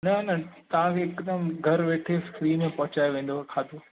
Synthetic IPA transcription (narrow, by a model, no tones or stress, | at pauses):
nɐnɐt̪ɐʋ̤ãkʰeːɪkd̪əmɡʱɐɾʋeːʈʰeskɾiːnmẽpɐɦʊt͡ɕaːjʋẽːn̆d̪okʰaːd̪o